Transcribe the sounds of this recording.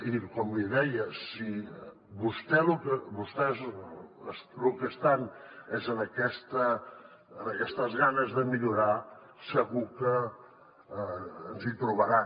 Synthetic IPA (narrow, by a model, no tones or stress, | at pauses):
ikɔmliðɛjəsi | βust̪ɛlukəβust̪ɛzəslukəst̪anɛzənəkɛst̪ə | ənəkɛst̪əzɣanəzðəmiʎuɾa | səɣukə | nzit̪ɾuβəɾa